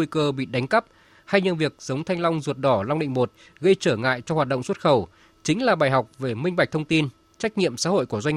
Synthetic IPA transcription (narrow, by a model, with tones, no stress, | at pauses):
jkəː˧ɓḭ˧˨ɗa˨˦jŋ̟kə˦˥p̚ | ha˧jɲə˧˩nvi˨˩ək̚z̥ə˨˦wŋ͡mt̪ʰa˧jŋ̟la˧wŋ͡mzu˨˩ət̚ɗɔ˧˩la˧wŋ͡mɗḭ̈˧˨ŋ̟mo˨˩t̚ | ɣə˧jt͡ɕəː˧˩ŋa̰ː˧˨jt͡ɕɔ˧hwaː˨˩t̚ɗə̰˧˨ŋ͡mswə˦˥t̚xə˧˩w | t͡ɕï˨˦ŋ̟laː˨˩ɓaː˨˩jɦa˨˩wk͡p̚ve˨˩mï˧ŋɓa˨˩k̚t̪ʰə˧wŋ͡mt̪i˧n | t͡ɕa˦˥k̚ɲḭ˧˨əmsa̰ː˧˦ɦo̰˧˨jku˧˩əzwa˧ŋ